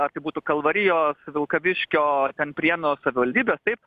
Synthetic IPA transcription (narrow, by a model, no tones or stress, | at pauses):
ɐɾt̪ɐɪbuːt̪ukɐlˠʋɐɾʲɪjoːsʋʲɪlˠkɐʋʲɪʃʲkʲoːt̪ʲɛnpʲɾʲiɛnoːsɐʋʲɪʋɐlʲdʲiːbʲeːst̪ɐɪp